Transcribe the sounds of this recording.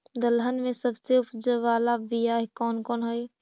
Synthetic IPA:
d̪əlɦənmẽsəbseʊpd͡ʒəʋaːlabijaːɦkɔːnkɔːnɦoi

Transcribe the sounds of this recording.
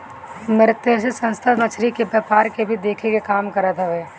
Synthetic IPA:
mɪɾɪt̪esesɐ̃nst̪ʰanɐt͡ʃʰɾikebɐːpaːɾkebʱid̪eːkʰekekaːmkɐɾat̪ɛʋeː

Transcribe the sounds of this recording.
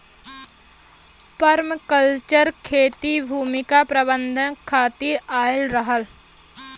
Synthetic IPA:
pəɾmkəlt͡ʃəɾkʰeːt̪ibʱuːmɪkapɾəbə̃nd̪ʱənkʰaːt̪iɾaːɪlɾəɦəl

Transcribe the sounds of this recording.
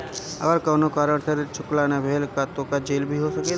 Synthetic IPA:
ə̰ɡəɾkɔːnokaːɾəɽsəɾt͡ʃʰʊklanabʱeːlkat̪okad͡ʒeːlbʱiɦosɐke

